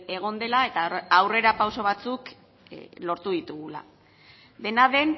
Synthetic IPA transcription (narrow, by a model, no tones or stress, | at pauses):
e̞ɣ̞o̞nd̪e̞lae̞t̪aːwre̞ɾapawso̞β̞at͡suk | lo̞ɾt̪uðit̪uɣula̰ | d̪e̞naðe̞n